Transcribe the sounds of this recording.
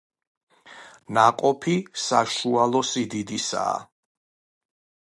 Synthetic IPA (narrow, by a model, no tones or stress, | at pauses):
naqʼɔpʰisaʃualˠɔsid̪id̪isa̰ː